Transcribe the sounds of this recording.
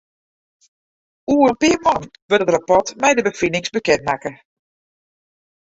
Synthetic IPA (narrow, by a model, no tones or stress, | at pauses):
uːərənpɪːmɔnʋəətrapɔtmɛjdəbəfinɪŋsbəkɛntmakə